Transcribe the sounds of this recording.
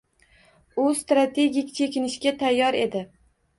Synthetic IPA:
ʊst̪ɾat̪ʰe̞ɡʲikʲt͡ʃʰe̞kʲɪnɪʃkʲat̪ʰajːɒɾe̞d̪ɪ

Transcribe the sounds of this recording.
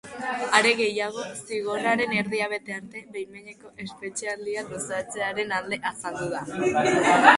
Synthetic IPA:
aɾe̞ɣe̞jaɣ̞o̞siɣ̞o̞ɾaɾe̞ne̞ɾðiaβ̞e̞t̪e̞aɾt̪e̞βejmeɲe̞ko̞ʔe̞spe̞t͡ʃeald̪ialosat͡se̞aɾe̞nald̪e̞ʔasald̪uð̞a

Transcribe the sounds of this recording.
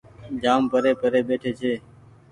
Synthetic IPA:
d͡ʒaːmpəɾeːpəɾeːɓeːʈʰeːt͡ʃʰeː

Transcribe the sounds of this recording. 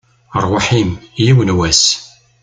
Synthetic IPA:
əɾˤwaħimjiwənwæs

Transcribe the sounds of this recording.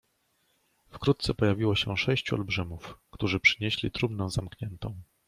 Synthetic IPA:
fkɾut̪t̪sɛpɔjavʲiwɔɕɛʂɛɕt͡ɕuɔ̰lbʐɘmufkt̪uʐɘpʂɘ̥ɲeɕlʲḭt̪ɾubnɔ̃w̃zamkɲɛnt̪ɔ̃w̃

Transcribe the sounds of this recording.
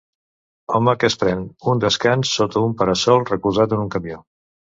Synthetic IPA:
ɔməkəspɾɛnund̪əskansːot̪ʰəumpəɾəsɔlˠrəkuzat̪ənuŋkəmjo

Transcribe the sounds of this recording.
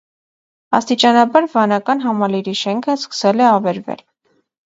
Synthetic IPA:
ɑ̰st̪it͡ʃɑnɑbɑɾvɑnɑkɑnɦɑmɑliɾiʃɛŋkʰəskə̥sɛlɛɑvɛɾvɛ̰l

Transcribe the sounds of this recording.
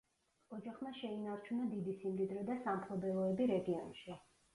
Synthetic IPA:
ɔd͡ʒaχmaʃɛinaɾt͡ʃʰunad̪id̪isimd̪id̪ɾɔd̪asampʰlˠɔbɛlˠɔɛbiɾɛɡiɔnʃi

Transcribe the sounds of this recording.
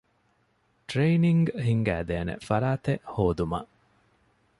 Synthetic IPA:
ʈɾeːniŋɡɦiŋɡæ̰ːd̪eːnḛfɐɾaːt̪eʔhoːd̪umɐ̰ʔ

